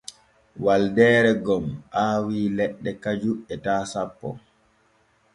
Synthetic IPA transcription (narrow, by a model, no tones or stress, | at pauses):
waldɛːɾɛɡɔmʔaːwiːlɛɗːɛkad͡ʒuɛtaːsapːɔ̰